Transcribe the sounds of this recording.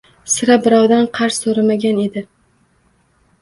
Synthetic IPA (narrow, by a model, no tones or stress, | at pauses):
sɪɾabɪɾɒwd̪anqʰɑɾsːoɾamaɡʲane̞d̪ɪ